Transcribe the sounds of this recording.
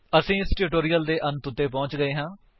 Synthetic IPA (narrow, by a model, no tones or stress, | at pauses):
əsĩːɪsʈuʈoːɾijəld̪eːʔənt̪ʊt̪ːeːpɔ̃ːt͡ʃɡəeːɦãː